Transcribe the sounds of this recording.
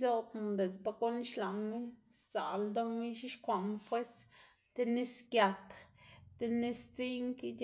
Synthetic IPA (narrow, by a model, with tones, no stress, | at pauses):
zo˦t̪m˨d̪e˨t͡sba˧ko˦n˦ʃla˨ŋmi˦ | st͡sa̰˨ld̪o˦mi˦ʃi˦ʃkʷa˨mpwe˦s | t̪e˧ni˦skja˧t̪t̪e˧ni˦st͡si˦ŋki˦d̪ʲ